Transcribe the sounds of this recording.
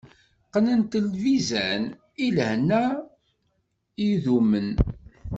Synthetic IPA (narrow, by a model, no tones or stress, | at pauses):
qnənt̪əlvizæn | ilhnːæ | iðumən